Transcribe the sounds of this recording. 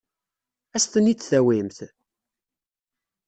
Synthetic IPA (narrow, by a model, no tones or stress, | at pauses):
æst̪ənit͡sːθæwimθ